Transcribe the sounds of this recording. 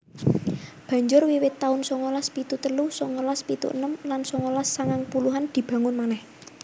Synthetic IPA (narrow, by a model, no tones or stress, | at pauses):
b̥ä̤ɲd͡ʒʊrwiwɪt̪ːaʊnsɔŋolaspit̪ut̪əlusɔŋolaspit̪ṵʔə̰nəmlansɔŋolasːaŋaŋpuluɦand̪̥i̤b̥ä̤ŋʊnmanɛh